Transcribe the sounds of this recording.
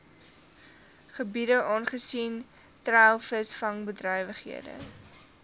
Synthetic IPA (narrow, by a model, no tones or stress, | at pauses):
χəbidəʔɑːnχəsin | træːlˠfəsfɐŋbədrœjvəχɦḭədə̰